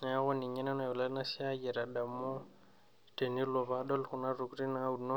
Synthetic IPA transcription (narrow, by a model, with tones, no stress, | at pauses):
na˨˦ɣʊ˦nɪ˨ɲɛ˦na˦na˨jɔ˨la˦na˦sɪ˦a˦ɡɛ˨ɾa˨da˨mo˦ | te˨ni˦lɔ˨βadɔ˦lχʊ˨na˦ru˨ku˦ri˦na˦u˨nɔ˦